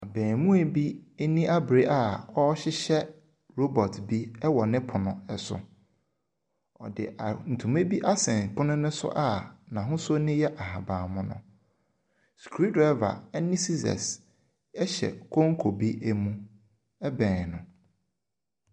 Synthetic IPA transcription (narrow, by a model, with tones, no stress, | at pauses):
a˨bɛ̃ː˨mũ˦æ˨bi˦nĩ˦a˦bɾe˦ʔa˦˨ɔ˦ɕɪ˦ɕɛ˦ | ɾo˦bɔ˨tʰbi˦ɛ˦wɔ˨nɪ̃˦pʰʊ˨nʊ̰̃˨ɛ˨sʊ̰˨ | ɔ̰˨dɪ̰˨n̩˨tʰũ˨me˦bi˦ʔa˦sɛ̃˨ŋ˨k͡pʰʊ̃˦nʊ̃˦nʊ̃˦sʊ̰˦ʔa˦˨nã˨ɦʊ̃˦sʊ˦nɪ̃˦jɛ˦ʔa˨ha˨bãː˨mʊ̃˦nʊ̰̃˦ | skʰu˨ɾi˦dʊ˨ɛ˦va̰˨ɛ˦nɪ̃˦si˦sɛ̰˨s | ɛ˦ɕɛ̰˨kʰɔ̃˦ŋ˦kʰo˨bi˦ʔe˦mũ˦ | ɛ˦bɛ̃ː˨nʊ̃˨